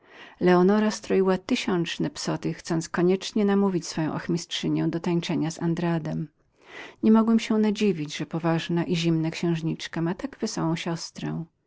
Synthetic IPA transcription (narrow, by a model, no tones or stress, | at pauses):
lɛɔnɔɾast̪ɾɔiwat̪ɘɕɔnt͡ʂnɛpsɔt̪ɘxt̪sɔnt̪skɔɲɛt͡ʂɲɛnamuvʲit͡ɕsfɔjɔ̃w̃ʔa̰xmʲistʂɘɲɛ̃w̃d̪ɔt̪aɲt͡ʂɛɲaza̰nd̪ɾad̪ɛm | ɲɛmɔɡwɛmɕɛnad͡ʑivʲid͡ʑʐɛpɔvaʐnaʔiʑimnakɕɛ̃w̃ʐɲit͡ʂkamat̪aɡvɘsɔwɔ̃w̃ɕɔst̪ɾɛ̰̃